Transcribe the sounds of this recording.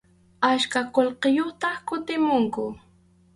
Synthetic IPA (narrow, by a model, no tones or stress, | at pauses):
aʃkaqolqejoχt̪ɑkʊt̪ɪmʊŋkʊ